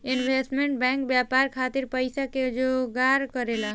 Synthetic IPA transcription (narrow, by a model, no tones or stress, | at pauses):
inbʱesʈmeɳʈ̚bɛŋkbjapaɾkʰat̪iɾpəjsaked͡ʒoɡaɾkəɾela